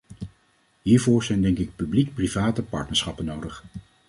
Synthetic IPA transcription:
ɦiːɹvʊːɹzɛjndɛŋkɪk̚pyblik̚privaːtəpɑ̰ɹtnəɹsχɑpənowdəχ

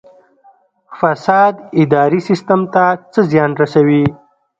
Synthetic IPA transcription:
fasɑd̪ɪd̪ɑɾisɪst̪əmt̪at͡səzjɑnɾasawi

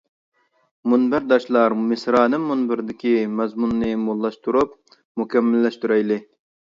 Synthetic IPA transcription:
munbɪɾd̪ɑʃlˠɑɾmɪsɾɑːnɨŋmunbɪɾd̪ɪkʲimɛzmunːɨmolˠːɑʃt̪ʰuɾup | mukʲɛmːɪlːɛʃt̪yɾɛjlɪ

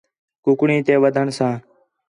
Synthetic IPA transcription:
kʊkɳiːt̪eːʋəd̪ʱəɳsãː

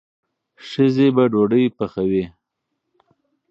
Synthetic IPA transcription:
ʂəzebaɖoɖəjpaxawe

